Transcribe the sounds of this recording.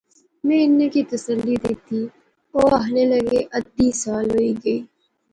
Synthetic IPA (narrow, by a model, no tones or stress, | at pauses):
mɛ̃ːɪnːekit̪əsəlːid̪eːt̪i | oːɐɦnelɐɡeʔɐd̪isaːlɦoiɡɐiː